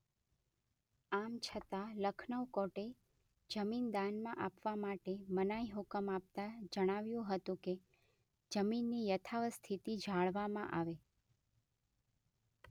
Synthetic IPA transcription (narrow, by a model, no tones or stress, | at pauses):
amt͡ʃʰət̪aləkʰnəʋkɔʈe | d͡ʒəmind̪anmãʔapʋamaʈemənajɦʊkəmap̚t̪ad͡ʒəɽ̃aʋjũɦət̪ũke | d͡ʒəminːijət̪ʰaʋst̪ʰit̪id͡ʒʱaɭʋamã̰ʔaʋe